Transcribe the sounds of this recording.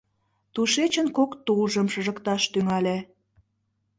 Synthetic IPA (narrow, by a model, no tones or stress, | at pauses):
t̪uʃet͡ɕənkokt̪ulʒəmʃə̆ʒəkt̪ɑʃt̪yŋɑlʲe